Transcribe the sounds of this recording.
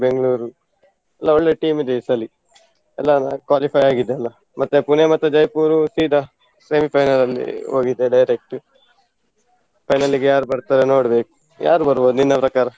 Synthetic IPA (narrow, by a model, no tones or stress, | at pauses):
beŋɡɐɭuːɾu | ɛlːaoɭːeʈiːmid̪esɐli | ɛlːanakʋaːlipʰɐjaːɡid̪ːeɐlːɐ | mɐt̪ːepunemɐt̪ːɐd͡ʒɐjpuːɾusiːd̪ʱa | seːmipʰɐjnɐlɐlːḭoːɡid̪eɖɐjɾek̚ʈu | pʰɐjnɐliɡejaːɾubɐɾt̪aːɾeno̞ːɽɐbeːku̥ | jʔa̰ːɾubɐɾuboːd̪uninːɐpɾɐkaːɾɐ